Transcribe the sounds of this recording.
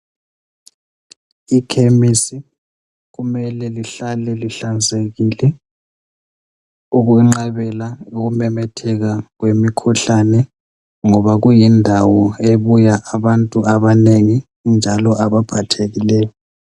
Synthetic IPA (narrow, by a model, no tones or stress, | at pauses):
ikʰemisi | ɣumɛlɛliɬalɛliɬand͡zʱeɣilɛ | uɣuŋ͡ǁaβɛlauɣumɛmɛtʰɛɣaɣwemikʰuɬanɛ | ŋɔβaɣujindʱawɔeβujaʔaβantʼuʔaβaneŋi | nd͡ʒʱalɔʔaβab̥ʱatʰeɣilɛːjɔ